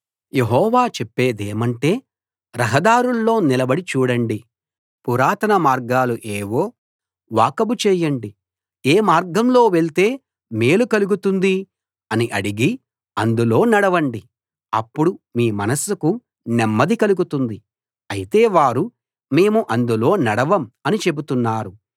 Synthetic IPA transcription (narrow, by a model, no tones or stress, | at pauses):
jeɦɔːʋaːt͡ʃepːe̞ːd̪eːmɐɳʈe̞ː | ɾɐɦɐd̪aːɾulːo̞ːnilɐbɐɽit͡ʃuːɽɐɳɖi | puɾaːt̪ɐnɐmaːɾɡaːluʔeːʋo̞ː | ʋaːkɐbut͡ʃɛːjɐɳɖi | eːmaːɾɡɐmlo̞ːʋeɭt̪e̞ː | me̞ːlukɐluɡut̪und̪i | ɐniʔɐɽiɡi | ɐnd̪ulo̞ːnɐɽɐʋɐɳɖi | ɐpːuɽumiːmɐnɐsːuku | nɛmːɐd̪ikɐluɡut̪und̪i | ɐjit̪e̞ːʋaːɾu | me̞ːmuʔɐnd̪ulo̞ːnɐɽɐʋɐmɐnit͡ʃe̞but̪unːaːɾu